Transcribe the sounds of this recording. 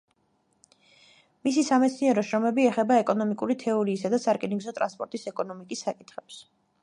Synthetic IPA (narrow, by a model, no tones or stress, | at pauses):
mis̬isamɛt̪sʰniɛɾɔʃɾɔmɛbiɛχɛbaɛkʼɔnɔmikʼuɾit̪ʰɛɔɾiːsad̪asaɾkʼɛniŋɡzɔt̪ʼɾa̰nspʼɔɾt̪ʼisɛkʼɔnɔmikʼisːakʼit̪ʰχɛps